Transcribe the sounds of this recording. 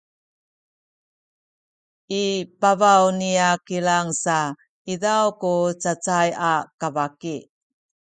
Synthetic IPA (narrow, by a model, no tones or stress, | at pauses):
ipavawniakilaŋsa | idawkut͡sat͡sajakavaki